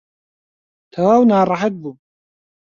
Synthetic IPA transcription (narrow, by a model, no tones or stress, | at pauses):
t̪ʰawaːwnaːɾˤɑħat̪̚bu